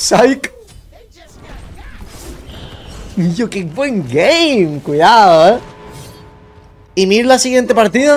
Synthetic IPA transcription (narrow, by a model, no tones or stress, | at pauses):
sajk | jokibweŋɡejmkwiðaðoe | imiɾlasiɣje̞nt̪e̞paɾt̪iða